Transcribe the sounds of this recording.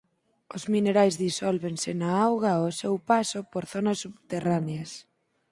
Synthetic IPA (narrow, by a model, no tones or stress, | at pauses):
ʊzmineɾajzðisɔlβensɪnaawɣaosewpasopoɾθɔnasːuβt̪eraneas